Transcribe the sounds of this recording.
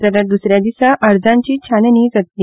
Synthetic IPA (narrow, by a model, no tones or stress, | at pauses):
t̪aɾad̪usɾjad̪isaʔəɾd͡zãɲt͡ɕiːt͡ɕʰaneniːd͡zət̪li